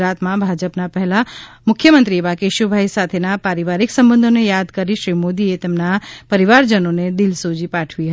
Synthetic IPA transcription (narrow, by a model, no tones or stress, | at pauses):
at̪mãbʱad͡ʒəpnapəɦela | mʊkʰjəmənt̪ɾieʋakeʃubʱajsat̪ʰenapaɾiʋaɾiksəmbə̃nd̪ʱonejad̪kəɾiʃɾimod̪iet̪emnapəɾiʋaɾd͡ʒənoned̪ilsod͡ʒipaʈʰʋiɦə